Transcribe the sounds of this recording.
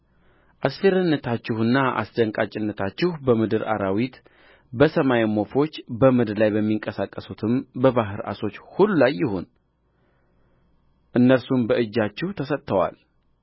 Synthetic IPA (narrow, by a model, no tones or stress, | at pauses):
ʔasfe̞ɾənːət̪ʰat͡ʃːɪhɨnːaʔa̰sd̪əŋkʼat͡ʃʼɪnːət̪ʰat͡ʃːɪhbəmɨd̪ɨɾa̰ɾawit̪ | bəsəmajemo̞fo̞t͡ʃːbəmɨd̪ɾlajbəmːiŋkʼəsakʼːəsut̪ʰɨmbəβaɦɨɾa̰so̞t͡ʃːhulːulajːɪhun | ʔɨnːəɾsumbəɨd͡ʒːat͡ʃːɪht̪ʰəsət̪ʰʼːəwa̰l